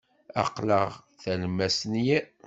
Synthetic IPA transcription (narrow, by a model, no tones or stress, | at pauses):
ɑ̰qləʁθælmæsnjæ